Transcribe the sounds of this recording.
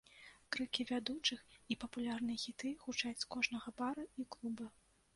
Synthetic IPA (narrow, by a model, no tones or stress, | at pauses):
kɾɨkʲivʲad̪ut͡ʂɨxipɐpulʲarnɨjɐɣʲit̪ɨxut͡ʂat͡sʲkɔʐnɐɣɐbaɾɐiklˠubɐ